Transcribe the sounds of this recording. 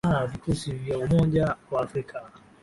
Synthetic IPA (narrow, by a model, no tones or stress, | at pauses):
avikusivjaumɔʄawaːfɾikʰa